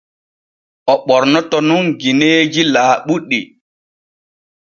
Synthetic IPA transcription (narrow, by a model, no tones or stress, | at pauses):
ʔɔɓɔɾnɔtɔnunɡineːd͡ʒilaːɓuɗːi